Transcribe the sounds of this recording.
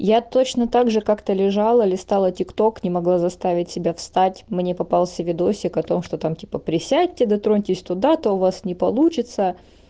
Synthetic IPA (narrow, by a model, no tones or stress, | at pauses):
jat̪ot͡ɕnət̪aɡʐɨkakt̪əlʲɪʐalˠəlʲɪst̪alˠətʲɪkt̪o̞knʲɪmɐɡlˠazɐst̪avʲɪtʲsʲɪbʲafst̪atʲmnʲepɐpalˠsʲəvʲɪd̪o̞sʲɪkɐt̪o̞mʂt̪ot̪amtʲi̥pəpɾʲɪsʲæt̚ʲtʲɪd̪ɐt̪ɾonʲtʲɪsʲt̪ʊd̪at̪oʊvasnʲɪpɐlˠut͡ɕɪt̪sə